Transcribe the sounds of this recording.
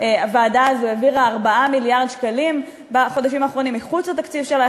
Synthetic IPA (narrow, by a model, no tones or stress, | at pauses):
avaːdaːzuaviʁaːʁbaʔamiljaʁd̪ʃkalim | baχo̞daʃimaːχʁo̞nimːiχut͡slat̪akt͡sivʃela